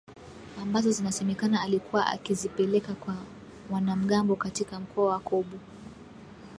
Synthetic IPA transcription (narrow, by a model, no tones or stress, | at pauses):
ambazɔzinasɛmɛkanaːlikuwaʔa̰kizipɛlɛkakwa | mwanam̩ɠambɔkatikam̩kʰɔawakɔɓu